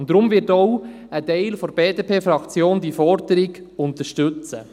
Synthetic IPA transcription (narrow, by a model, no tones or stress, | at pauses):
ʊndɾʊmvɪtɔw | ətɛɪlfoɾb̥eːdepʰeːfɾɑkt͡sjoːndifɔɾdəɾiɡʊnt̪əʃtɵt͡sə̰